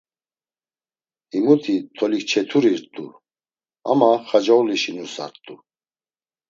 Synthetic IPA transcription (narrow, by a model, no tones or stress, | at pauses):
imut̪ʰit̪ʰɔlikt͡ʃʰɛt̪ʰuɾiɾt̪ʼṵ | a̰maχad͡ʒauliʃinusa̰ɾt̪ʼu